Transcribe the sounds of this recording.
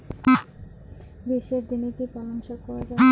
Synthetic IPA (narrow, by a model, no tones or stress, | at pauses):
biʃeɾd̪inekipɔlomʃakɔɾad͡ʑa